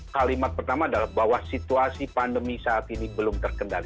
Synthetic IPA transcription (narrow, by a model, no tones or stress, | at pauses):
kalimat̪̚pərt̪amaːdalahbawasit̪uasipandəmisaːt̪inibəlʊmt̪ərkəndali